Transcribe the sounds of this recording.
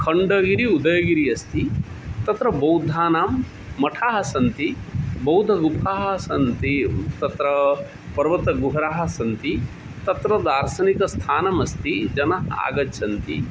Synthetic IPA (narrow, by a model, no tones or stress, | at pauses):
kʰɐɳɖɐːɡiɾiud̪ɐjɡiɾiɐst̪ʰit̪ɐt̪ɾɐbɐwd̪ʱːaːnaːmː | ɐʈʰaːɦɐsɐnt̪ibɐwd̪ʱɐɡupʰaːɦɐ̆sɐnt̪it̪ɐt̪ɾɐ | pɐɾʋɐt̪ɐɡuɦɐɾaːɦɐ̆sɐnt̪i | t̪ɐt̪ɾɐd̪aːɾsɐnikɐst̪ʰaːnɐmɐst̪id͡ʒɐnɐɦɐa̰ːɡɐtːt͡ʃʰɐnt̪ḭ